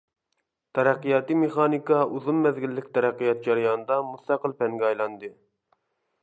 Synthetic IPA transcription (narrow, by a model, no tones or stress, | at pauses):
t̪ʰɛɾæqːijɑt̪ɨmeχɑːnikɑuzumːɛzɡʲilːɪkʲt̪ʰɛɾæqːijɑt̪̚d͡ʒɑɾijɑnɨd̪ɑmust̪ɑqəlˠpɛŋɡʲɛɑjlˠɑnd̪ɨ